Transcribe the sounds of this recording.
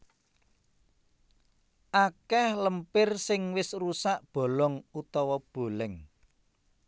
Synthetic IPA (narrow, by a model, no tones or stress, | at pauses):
ʔakɛhləmpɪrsɪŋwɪsrusaʔb̥o̤lɔŋut̪ɔwɔb̥o̤lɛŋ